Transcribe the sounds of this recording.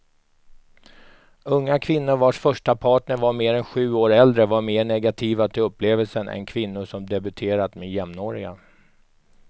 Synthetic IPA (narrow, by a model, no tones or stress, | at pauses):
ɵŋːakʰvɪnːʊɾvaʂfœʂʈapʰɑːʈɳəɾvaɾmeːɾɛnɧʉ̟ːoːɾɛld̪ɾəvaɾmeːɳɛɡat̪ʰiːvat̪ʰɪlɵpːleːvəlsənʔɛ̰nkʰvɪnːʊsɔmd̪ɛbɵt̪ʰeːɾat̪mejɛmnoːɾɪɡa̰